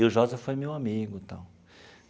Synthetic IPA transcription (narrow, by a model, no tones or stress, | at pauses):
ʊʒozɐfojmewamiɡʊĩt̪ɐ̰̃w̃